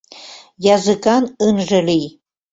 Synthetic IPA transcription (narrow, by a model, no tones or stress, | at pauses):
jɑzɨkɑnənʒə̆lij